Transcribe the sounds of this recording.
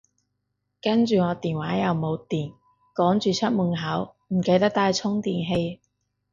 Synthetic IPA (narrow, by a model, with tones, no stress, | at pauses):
kɐ˥nt͡ʃyː˨˧ŋɔː˨˧t̪iː˨˩nwaː˨˥jɐ˨wmo˨˧wt̪iː˨n | kɔː˨˥ŋt͡ʃyː˨t͡ʃʰɵ˥t̚muː˨˩nɦa˨˥wm̩˨˩ke˧jt̪ɐ˥k̚t̪aː˧jt͡sʰʊ˥ŋt̪iː˨˩nɦe˧j